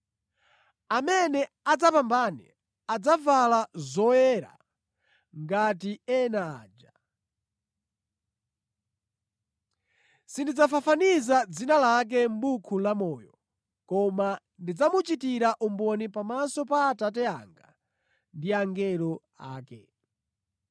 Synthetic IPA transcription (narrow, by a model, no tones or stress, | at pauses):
amɛnɛ | ad͡zapambanḭ | ad͡zavalazɔjɛɾa̰ | ŋɡatiɛnaːd͡ʒa | sindid͡zafafanizad͡zinalak̬ɛm̩bukʰulamɔːjɔ | kɔma | ndid͡zamut͡ʃitiɾaʔumbɔnipamasɔpaːtat̬ɛa̰ŋɡa̰ | ndiaŋɡɛlɔ | a̰ːkɛ̰